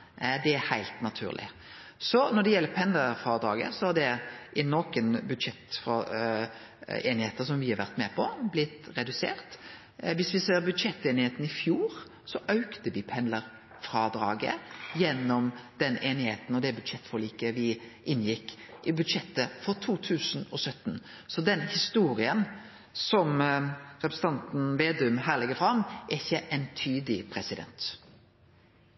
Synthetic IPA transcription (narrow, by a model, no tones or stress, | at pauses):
d̪ɛæhæɪlt̪nɑt̪ʰʉ̰ːʁlɪ̰ | sɔnɔd̪ɛjɛlːəpʰɛnləɾfɑːd̪ɾɑ̰ːɡə̰sɔhɑd̪ɛʔɪnːɔkənbʉd̪ʂɛt̪f | eːnɪheːt̪əsɔmʋɪhɑɾʋæʁt̪mɛpʰɔblɪt̪ɾɛd̪ʉsḛːʁt̪ | ʋɪsʋɪseːɾbʉd̪ʂɛt̪ːeːnɪheːt̪n̩ɪfjuːɾ | sɔʔɑʉkt̪əʋɪpʰɛnləɾ | fɾɑd̪ɾɑːɡə̰jɛnːɔmd̪̥ɛneːnɪheːt̪n̩ɔd̪ɛbʉd̪ʂɛt̪ːfɔʁliːkəʋɪʔɪnːjɪkːʔɪbʉd̪ʂɛt̪ːəfɔɾt̪ʰuːt̪ʰʉːsn̩ɔsœt̪ːn | sɔd̪ɛnhɪst̪uːɾɪən | sɔmɾɛpɾəsn̩t̪ɑnt̪n̩ʋeːd̪ʉmɦæːʁlɛɡəfɾɑmʔɛɪçːəʔɛnt̪ʰyːd̪ɪpʰɾɛsɪd̪ɛ̰nt̪